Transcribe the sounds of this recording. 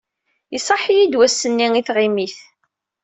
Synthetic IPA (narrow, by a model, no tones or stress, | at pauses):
isˤɑħijid̪wæsːənːiŋiθʁimiθ